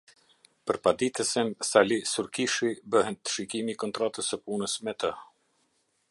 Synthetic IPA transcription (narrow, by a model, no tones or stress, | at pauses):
pəɾpad̪it̪əsinsalisuɾkiʃibəhɛnt̪ə̥ʃikimikɔnt̪ɾat̪əsəpunəsmɛt̪ə